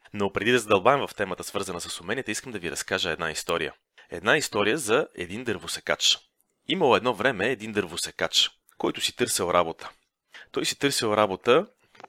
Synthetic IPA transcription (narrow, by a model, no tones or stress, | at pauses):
nopɾɛd̪id̪ɐzəd̪ɐlˠbaɛmvɐft̪ɛmət̪əsvɤɾzənəsəsʊmɛniɛt̪iskəmd̪ɐviɾɐskaʒəɛd̪naist̪ɔɾḭjə̰ | ɛ̰d̪naist̪ɔɾijəzɐɛ̰d̪ind̪əɾvʊsɛka̰t͡ʃ | iməlˠoɛd̪nɔvɾɛmɛːd̪ind̪əɾvʊsɛkat͡ʃ | kɔjt̪ʊsit̪ɤɾsɛlˠɾʔabot̪ə̥ | t̪ɔjsit̪ɤɾsilˠɾabot̪ə